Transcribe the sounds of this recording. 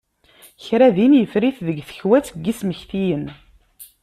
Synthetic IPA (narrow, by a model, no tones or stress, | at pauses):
çɾæðinjəfɾiθðəɡθə̥çwæt͡sːəɡːisməçθijən